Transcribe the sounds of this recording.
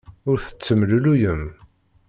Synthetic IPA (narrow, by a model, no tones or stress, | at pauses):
ʊɾθə̥t͡sːəmlulujəm